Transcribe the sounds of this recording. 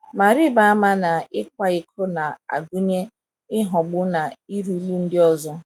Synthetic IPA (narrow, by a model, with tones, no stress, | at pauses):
ma˨ɾi˦ba˨a˦ma˦na˨ɪ˦k̚ʷa˦ɪ˨kʰʊ˦na˨a̰˨ɡu˦ɲe˦ | ɪ˦ɦɔ˨ɡ͡bʊ˦na˨i˦ɾu˦lu˦n̩˦dɪ˦ɔ˦zɔ˦